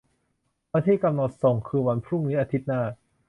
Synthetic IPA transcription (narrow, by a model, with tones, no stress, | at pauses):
a˧t̪ʰiː˥˩ka˧mnɔ˨˩t̪̚sɔ˨˩˦ŋkʰɯː˧wa˧npʰɾu˥˩ŋniː˦˥ʔa˧t̪ʰi˦˥t̪̚naː˥˩